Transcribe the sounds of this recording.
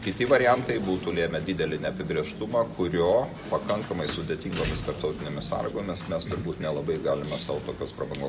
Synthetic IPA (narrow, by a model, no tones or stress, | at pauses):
kʲɪt̪ʲɪʋɐɾʲɪjænt̪ɐɪbuːt̪ʊlʲeːmʲɛd̪ʲid̪ʲɛlʲɪnʲɛɐpʲɪbʲɾʲiɛʃt̪ʊmɑːkʰʊɾʲoː | pɐkɐŋkɐmɐɪsʊd̪ʲet̪ʲiːŋɡoːmʲɪst̪ɐɾp̚t̪ɐʊt̪ʲɪnʲeːmʲɪsɑ̰ːlʲɪɡoːmʲɛsmʲɛst̪ʊɾbuːt̪nʲɛlˠɐbɐɪɡɑːlʲɪmɛsɑːʋt̪oːkʲoːspɾɐbɐŋɡoː